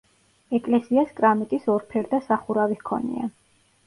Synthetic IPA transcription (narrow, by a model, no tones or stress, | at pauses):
ɛkʼlɛsiaskʼɾamit̪ʼisɔɾpʰɛɾd̪asaχuɾavikʰɔ̰nḭa